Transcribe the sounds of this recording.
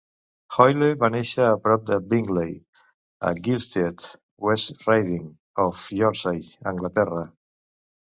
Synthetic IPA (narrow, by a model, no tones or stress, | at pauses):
xɔjleβaneʃaːpɾɔp̚d̪abiŋɡlej | a̰ɡilst̪et̪ | west̪rajðiŋ | ofjɔɾsajã̰ŋɡlat̪ɛra